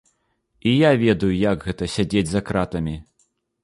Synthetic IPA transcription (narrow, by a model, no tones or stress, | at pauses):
ijavʲɛd̪ɐjujaɡɣɛt̪ɐsʲad͡zʲed͡zʲzɐkɾat̪ɐmʲi